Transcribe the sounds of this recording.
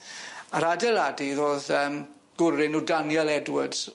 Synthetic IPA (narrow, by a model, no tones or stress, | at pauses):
aɾadɛlˠadiðoːðəːm | ɡ̥ʊɾɪnudanjɛlˠɛdwəd